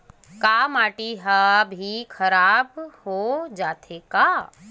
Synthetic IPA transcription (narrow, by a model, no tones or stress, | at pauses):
kaːmaːʈiɦabʱikʰɐɾaːbhod͡ʒaːt̪ʰeka